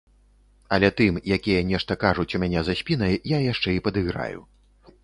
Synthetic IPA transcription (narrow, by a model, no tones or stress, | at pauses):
ɐlʲɛt̪ɨmjakʲijɐnʲɛʂt̪ɐkaʐut͡sʲumʲanʲɛzasʲpʲinɐjːajaʂt͡ʂɛipɐd̪ɨɣɾa̰jṵ